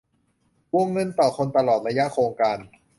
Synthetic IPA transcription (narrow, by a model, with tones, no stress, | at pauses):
wu˧əŋːɤ˧nt̪ɔː˨˩kʰo˧nt̪a˧lɔː˨˩t̪̚ɾa˧ja˦˥ʔkʰɾoː˧ŋkaː˧n